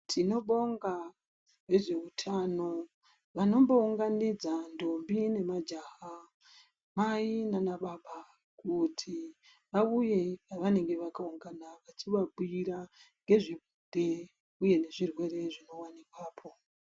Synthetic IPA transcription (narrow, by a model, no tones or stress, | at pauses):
tʰino̞ɓo̞ŋɡa | ʋe̞ʐe̞utʰano | ʋano̞mbo̞uŋɡanid͡zando̞mbine̞mad͡ʒaːɦa | mainanaɓaɓa | kutʰi | ʋauje̞ʋane̞ŋɡe̞ʋakauŋɡanaʋat͡ʃiʋaɓuiɾaŋɡe̞ʐiɓude̞ | uje̞ne̞ʐirwe̞re̞ʐino̞wanikwaːpʰo̞